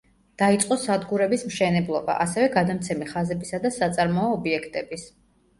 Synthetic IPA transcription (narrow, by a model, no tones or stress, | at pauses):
d̪̥ait̪sʼqʼɔsad̪ɡuɾɛbismʃɛnɛblˠɔba̰ʔasɛvɛɡad̪amt̪sʰɛmiχazɛbisad̪asat̪sʼaɾmɔɔːbiɛkʰt̪ʼɛbis